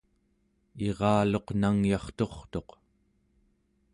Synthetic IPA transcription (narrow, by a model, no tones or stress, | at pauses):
e̞ʁɑːlo̞qnaŋjɑχt̪o̞χt̪o̞q